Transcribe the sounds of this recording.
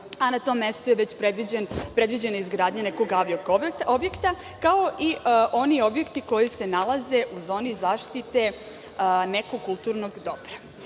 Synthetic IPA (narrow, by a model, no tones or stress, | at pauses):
anat̪o̞mːe̞st̪ujeʋet͡ɕpɾed̪ʋid͡ʑenpɾe̞d̪ʋid͡ʑenaizɡɾaːd̪ɲaneko̞ɡaʋiokobjekt̪a | kao̞ʔiʔo̞nio̞bje̞kt̪iko̞jise̞nalˠaze̞ʔuzo̞ːnizaːʃt̪it̪e̞ | neko̞ɡ̚kːulˠt̪uːɾnoɡd̪o̞pɾa